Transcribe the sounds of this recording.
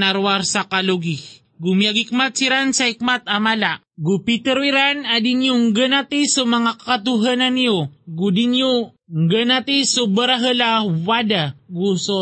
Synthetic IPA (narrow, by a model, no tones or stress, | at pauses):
naɾwaɾsakaluɡi | ɡʊmjaɡikmat̪̚siɾansaik̚mat̪amala | ɡupit̪ɛɾiɾanad̪injoŋɡənat̪isomɐŋakakat̪uɦananijoɡud̪injo | ŋɡənat̪isubəɾaɦəlawad̪aɡuso